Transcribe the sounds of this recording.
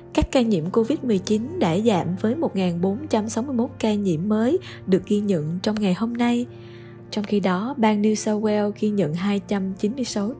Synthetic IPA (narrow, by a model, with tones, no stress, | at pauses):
kaː˦˥kːaː˧ɲḭ˧˨əmko˧vi˦˥t̚mɨ˨˩əjt͡ɕi˨˦nɗa̰ː˧˥za̰ː˧˨mvəː˨˦jmo˨˩t̚ŋaː˨˩nɓo˨˦nt͡ɕa˧msa˨˦wmɨ˧jmo˦˥t̚kaː˧ɲḭ˧˩əmːəː˨˦j | ɗɨ˨˩ək̚ɣi˧ɲə̰˧˨nt͡ɕɔ˧wŋ͡mŋa˨˩jho˧mna˧j | t͡ɕɔ˧wŋ͡mxi˧ɗɔ˨˦ɓaː˧nːi˧wsa˧wɛ˧wɣi˧ɲə̰˧˨nɦaː˧jt͡ɕa˧mt͡ɕi˨˦nmɨ˧əjsa˨˦w